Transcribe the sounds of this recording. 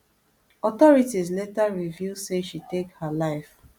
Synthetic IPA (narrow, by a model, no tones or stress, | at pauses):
ɔtɔɹitizletaɹiviseʃitekhalaɪf